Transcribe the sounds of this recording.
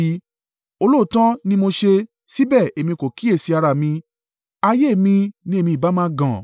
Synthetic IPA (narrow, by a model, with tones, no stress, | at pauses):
o˧lo˦˨tã˦nĩ˦mo˧ʃe˧ | si˦bɛ˦˨e˨mĩ˧ko˨ki˨˦e˦˨si˧a˧ɾa˧˨mĩ˧ | a˧je˦˨mĩ˧nĩ˦e˦˨mĩ˧˨ba˨˦mã˦ɡã˨